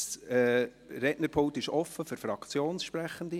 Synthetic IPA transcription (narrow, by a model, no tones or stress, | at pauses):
sɛ | ɾɛʔnəɾpʰʊŋt̪ɪʃɔfəfʏɾfɾɑkt͡sjoːnsʃpɾæχːənd̪i